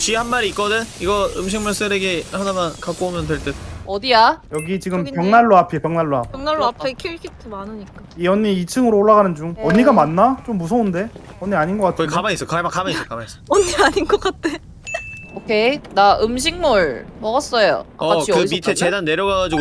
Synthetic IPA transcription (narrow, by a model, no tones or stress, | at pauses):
ɕ͈ihanmaɾiːk͈ʌdɯniɡʌɯmɕ̬ʰiŋmuɭs͈ɯɾeɡehanamankak͈̚oomjʌndweɭt͈eʌdiajʌɡit͡ɕiɡɯmpjʌŋnaɭːoapʰipjʌŋnaɭːoapjŋnaɭːoakʰiikʰitʰɯmanɯɲik͈aiʌɲːiit͡ɕʰɯŋɯɾooɭːaɣanɯnd͡ʑuŋʌɲːiɡamanːat͡ɕomːusʰʌunde̞ | ʌnːiaɲinɡʌk͈atʰɡikamais͈ʌkamakamaissʌk͈amais͈ʌʌniaɲinɡʌk͈at̚t͈ʰe | okʰe̞naʔɯmɕ̬ʰiŋmuɭmʌɣʌs͈ʌjo̰aʌaikɯmitʰet͡ɕe̞danːe̞ɾjʌɡaɡad͡ʑiɡo